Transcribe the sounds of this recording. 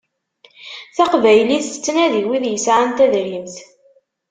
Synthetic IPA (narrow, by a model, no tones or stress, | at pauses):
θæqvæjliθət͡sːnæðiwiðjəsʕant̪æðɾimθ